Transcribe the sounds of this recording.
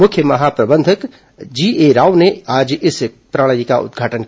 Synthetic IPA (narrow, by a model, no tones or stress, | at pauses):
mʊkʰjəmɐɦapɾɐbə̃nd̪ʱək | d͡ʒiːeɾaːʋneaːd͡ʒɪs | pɾaːɽ̃jika̰ʔʊ̰d̪̚ɡʱaːʈən